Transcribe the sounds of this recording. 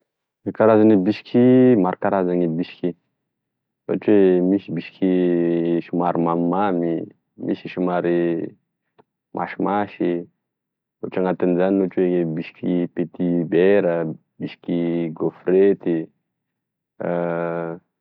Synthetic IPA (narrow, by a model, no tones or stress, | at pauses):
ikaɾazanibiʃkʰimaɾkaɾazaŋibiʃki | wa̰t͡ʃwemisibiʃki | ʃumaɾimammami | mʔḭsiʃumaɾi | mʔa̰ʃimaʃi | oʈ͡ʂaŋat̪inzaninoʈ͡ʂwebiʃkipet̪ibɛɾa | biʃi̥kiɡofɾet̪i